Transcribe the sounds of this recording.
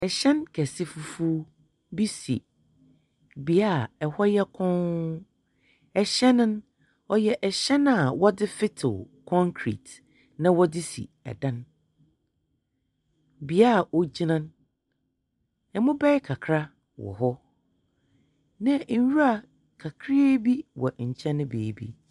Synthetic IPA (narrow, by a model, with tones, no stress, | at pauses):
ɛ˨ɕɛ̃˦nkʰɛ˨sɪ˦fu˨fu˦ | bi˦sḭ˨ | bi˨a˦˨ɛ˨hɔ˦jɛ˦kʰɔ̃˦ | ɛ˨ɕɛ˦nʊ̃˦n | ɔ˨jɛ˨ʔɛ˨ɕɛ̃˦n˦a˨wɔ˦dɪ˦fɪ˦tʰɪ̰˨l | kʰɔ̃˦ŋkʰɾḭ˨t | nã˦wɔ˦dɪ˦sḭ˨ɛ̰˨dã˦n | bi˨a˦˨ʔo˨d͡ʑi˦nã˦n | ɛ˨mʊ̃˦bɛ˦kʰa˨kʰɾa˦ | wɔ̰˨ɦɔ˦ | nã˦ɲ̩˨˦wu˦a˨ | kʰa˨kʰɾe˦bi˦wɔ̰˨ɲ̩˨t͡ɕʰɛ̃˦nʊ̃˦bḛː˨bḭ˦